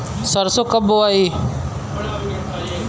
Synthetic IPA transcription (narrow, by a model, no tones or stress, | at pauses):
səɾsoːkəboːaːiː